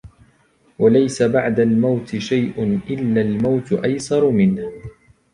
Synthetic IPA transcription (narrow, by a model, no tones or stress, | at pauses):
walajsabaʕd̪almawt̪ɪʃajʔʊnʔɪlːaːlmawt̪ʔajsɑɾˤmɪnh